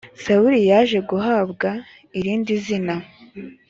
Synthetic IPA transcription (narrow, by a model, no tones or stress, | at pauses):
sauɾijaːʒe̞ɡuɦaːbɡa | iɾiːndizina